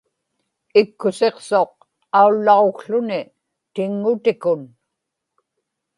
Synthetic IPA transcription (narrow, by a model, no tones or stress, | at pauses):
ɪkːʊse̞qso̞q̚ | aulːɑokɬʊnɪ | t̪ɪŋːʊt̪ɪkʊn